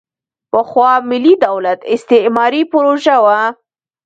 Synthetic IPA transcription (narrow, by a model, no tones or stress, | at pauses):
pəxwɑmɪlːid̪awlat̪ɪst̪ɪmɑɾipɾoʒawa